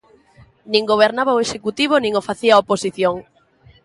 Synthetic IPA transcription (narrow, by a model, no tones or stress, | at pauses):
nĩŋɡoβ̞eɾnaβaoeʃekut̪iβ̞onĩŋofaθiaoposiθjoŋ